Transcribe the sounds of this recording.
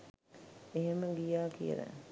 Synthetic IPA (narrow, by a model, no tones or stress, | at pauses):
eɦeməɡijaːkijə̰ɾæ̰